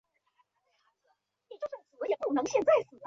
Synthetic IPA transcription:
ni˨˩t͡ɕo˥˧ʂə˥˩ŋt͡sɹ̩˨˩˥jɛ˨˩pu˥˩nɤ˧˥ŋɕjɛ˥˧nt͡sa˥˩ɪsɹ̩˨˩n˥

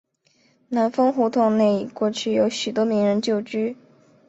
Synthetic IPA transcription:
na˧˥nfɤ˥ŋxu˧˥t̪ʰʊ˥˩ŋne˥˩ɪ˨kwɔ˥˧t͡ɕʰy˥˩jo˧˥ʊɕy˨˩t̪wɔ˥mi˧˥ŋɻə˧˥nt͡ɕjo˥˩ʊt͡ɕy˥

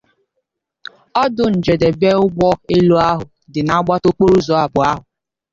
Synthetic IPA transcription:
ɔ˦dʊ˨n̩˨d͡ʒe˨de˨be˦ʊ˦ɡ͡bʷɔ˦e˦lo˦a˦ɦʊ˨ | dɪ˨na˨˦ɡ͡ba˦to˦k͡po˦ɾu˦zɔ˨a˨bʊ˨a˦ɦʊ˨

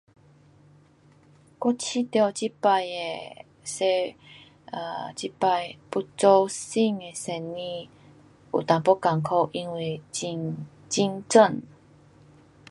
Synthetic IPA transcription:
kɔ˦˥t͡ɕʰi˦t̪jɔ˧˩t͡ɕi˦pa˧je˧ | se˧ | t͡ɕi˦˥pa˧jpu˧˥t͡so˧wsi˥˧ŋe˧se˧nːĩ˧ | ṵ˨t̪ã˨˩ŋpɔ˦ka˨˩ŋkʰɔ˧ʔi˧nwi˧t͡ɕi˧ŋ | t͡ɕi˦ŋt͡sə˥˧˨n

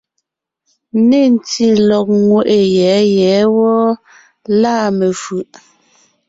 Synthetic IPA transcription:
ne˦˨n˨ti˨lɔ˨k̚ŋwe˨ʔe˨jɛ˨˦jɛ˨˦wɔ˦ | laː˦˨me˨fʉ˨ʔ

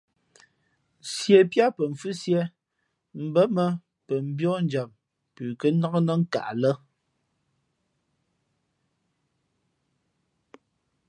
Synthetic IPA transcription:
sjɛ˨pja˦pə˨ɱ̩˨fʉ˦sjɛ˦ | m̩˨bə˦mə˦ | pə˨m̩˨bjɔ˦n˦d͡ʒa˨m | pʉː˨kə˦nɔ˦kə˦nə˦ŋ̩˦ka̰˨ʔlə˦

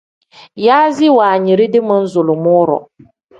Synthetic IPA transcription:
jaː˦zɪ˦waː˨ɲi˨ɾi˦dɪ˦ma˦n̩˦zʊ˨lʊ˨mʊː˦ɾɔ̰˨

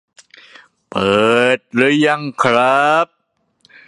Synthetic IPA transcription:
pɤː˨˩t̪̚ɾɯ˧˦˥jːa˧˩ŋkʰɾa˦˥p̚

